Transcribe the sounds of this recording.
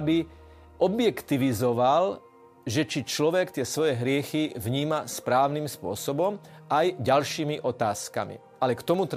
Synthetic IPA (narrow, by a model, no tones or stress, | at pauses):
bi | ɔbjɛkt̪iʋizɔʋal | ʒɛt͡ʃit͡ʃlɔʋɛkt̪ɪɛsʋɔjɛɦɾɪɛxiʋɲiːmaspɾaːʊniːmspʊɔsɔbɔmajɟalʃiːmiʔɔt̪aːska̰mḭ | ʔalɛkt̪ɔmut̪